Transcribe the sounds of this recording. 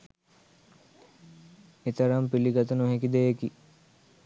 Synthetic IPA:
et̪ɐɾampiliɡat̪ənuɦekid̪ejeki

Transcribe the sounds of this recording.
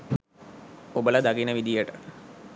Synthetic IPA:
obələd̪aɡinəʋid̪ijəʈə

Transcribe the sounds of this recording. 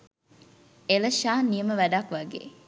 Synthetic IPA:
elɐʃaːnijəməʋæɖakʋɐɡḛː

